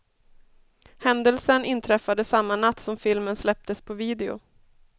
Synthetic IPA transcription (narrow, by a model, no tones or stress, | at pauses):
hɛnd̪əlsənɪnt̪ʰɾɛfːad̪əsamːanat̪ːsɔmfɪlmənslɛp̚t̪əspʰɔviːd̪ɛʊ̰